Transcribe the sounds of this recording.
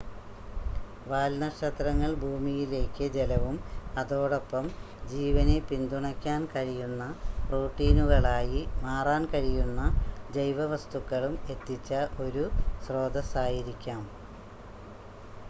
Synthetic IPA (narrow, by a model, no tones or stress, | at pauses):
ʋaːlnɐʂɐt̪rɐŋːɐɭbʱuːmijile̞ːkːɨd͡ʑelɐʋumɐðo̞ːɽo̞pːɐm | d͡ʑiːʋɐne̞pind̪uɳɐkʲːaːnkɐɻijunːɐproːʈːiːnuɣɐɭaːjimaːraːnkɐɻijunːɐd͡ʑejʋɐʋɐst̪ukːɐɭume̞t̪ːit͡ɕːɐʔo̞ɾusro̞ːd̪ɐsaːjiɾikʲːaːm